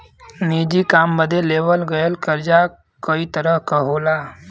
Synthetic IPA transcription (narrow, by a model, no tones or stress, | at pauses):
niːd͡ʒikaːmːəd̪ʱeleːʋəlɡəjəlkəɾd͡ʒa | kəit̪əɾəɦkəɦoːlaː